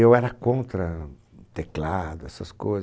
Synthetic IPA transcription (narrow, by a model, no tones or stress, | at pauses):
ewɛɾɐkõnt̪ɾɐ | t̪eklad̪ʊɛsɐskojz